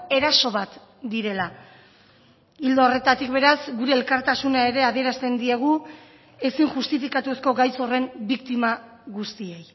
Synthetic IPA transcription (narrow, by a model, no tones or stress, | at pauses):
e̞ɾaso̞βat̪ | d̪iɾe̞la | ild̪oore̞t̪at̪ikbe̞ɾazɡuɾe̞ːlkaɾt̪asunae̞ɾe̞aðie̞ɾast̪e̞nd̪ie̞ɣ̞u | e̞siŋʝust̪ifikat̪ue̞sko̞ɡajso̞re̞mbikt̪ima | ɣust̪ie̞j